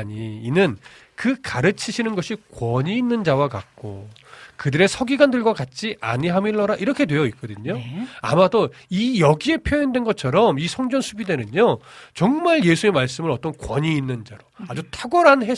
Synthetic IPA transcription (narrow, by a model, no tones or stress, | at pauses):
ɲiːnɯn | kɯkaɾɯt͡ɕʰiɕʰinɯnɡʌɕʰikwʌɲiːnːɯnd͡ʑawakak̚k͈o̰kɯdɯɾe̞sʰʌɡiɡwandɯɭɡwakat̚t͡ɕ͈iʔa̰ɲiɦamiɭːʌɾaʔiɾʌkʰe̞dwe̞jʌik͈ʌdɯɲoa̰madoijʌɡie̞pʰjoindwe̞nɡʌt͡ɕʰʌɾʌmisʰʌŋd͡ʑʌnsʰubide̞nɯɲot͡ɕʌŋmaɭje̞sʰue̞maɭs͈ɯmɯɾʌt͈ʌnkwʌɲiːnːɯnd͡ʑaɾoad͡ʑutʰaɡʌɾanɦe